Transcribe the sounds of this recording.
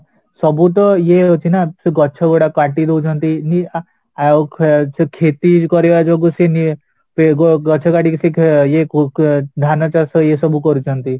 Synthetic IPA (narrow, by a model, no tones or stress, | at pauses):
sɔbut̪̬ɔjeɦot͡ʃʰinasɡɔːt͡ʃʰɔɡɔɽakaʈid̪eut͡ʃʰɔnt̪ini | kʰt͡ʃʰkʰet̪ikɔɾead͡ʒoɡuseni | pɡɡɔt͡ʃʰɔkaʈiksikjekd̪ʱaɾnat͡ʃaɾsɔjesɔbukɔɾut͡ʃʰɔnt̪i